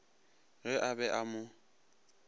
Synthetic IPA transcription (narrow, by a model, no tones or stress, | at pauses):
ɣɪʔabɛʔamʊ